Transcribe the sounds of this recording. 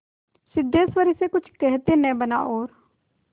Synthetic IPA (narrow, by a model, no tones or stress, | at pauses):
sɪd̪ːeːsʋəɾɪsekʊt͡ʃʰkɛɦt̪eːnɛ̃ːbəna̰ːʔoːɾ